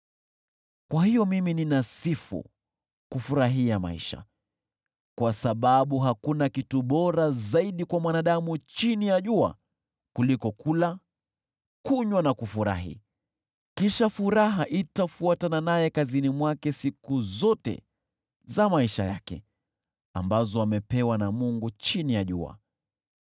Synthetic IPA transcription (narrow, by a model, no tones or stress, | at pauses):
kwahijɔmimininasifṵ | kufuɾaɦiama̰ḭʃa̰ | kwasaɓaɓuɦakunakituɓɔɾazaiɗikwamwanaɗamut͡ʃinijaʄua̰ | kulikɔkula | kuɲwanakufuɾa̰ɦḭ | kiʃafuɾaɦaʔitafuatananajɛkazinimwakɛsikuzɔtɛ̰ | zamaiʃa̰jakɛ̰ | a̰mbazɔamɛpɛwanamuŋɡut͡ʃinijaʄṵa̰